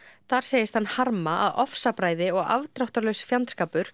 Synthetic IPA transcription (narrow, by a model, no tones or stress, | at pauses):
θaɾ̥seːjɪst̪hanːhaɾmaʔaðɔfsapɾaːjðɪɔɣa̰vt̪ɾɔht̪aɾlœɥsfjant̪skaːpʏɾ̥